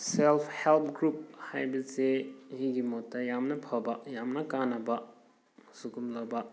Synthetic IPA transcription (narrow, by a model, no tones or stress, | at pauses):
selpʰhelpʰɡɾup̚hajbɐzehiɡimotːɐjamnɐpʰabajamnɐkanɐbɐ | msukumlabɐ